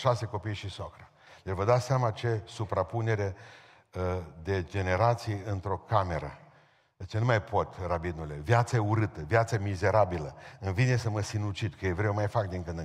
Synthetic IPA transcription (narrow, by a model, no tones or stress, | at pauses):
ʃase̞ko̞pijʃisokɾə | levəd̪aseamat͡ʃe̞supɾapune̞ɾe | d̪e̞d͡ʒe̞ne̞ɾat̪sijɨnt̪ɾo̞kame̞ɾə̰ | t͡ʃenumajpʰo̞t̪rabinule̞vjat̪səeuɾɨt̪əvjat̪samize̞ɾabiləɨnvine̞səməsinut͡ʃid̪kəjevɾewmajfak̚d̪iŋkɨnd̪ɨ